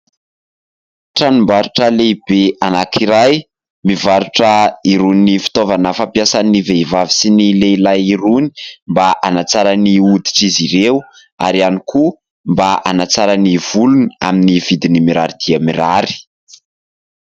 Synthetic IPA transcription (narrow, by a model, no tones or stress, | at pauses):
ʈ͡ʂanumbaɾuʈ͡ʂəleb̥eanakʰiɾaj | mivaɾuʈ͡ʂəiɾuninifi̥t̪ovanəfapjasaniveivavisinileilajiɾuni̥mbaʔanat͡saɾaniud̪i̥ʈ͡ʂiziɾew | a̰ɾianikʰu | mbaʔanat͡saɾaniv̥uluna̰minivid̪inimiɾaɾid̪iamiɾaɾi̥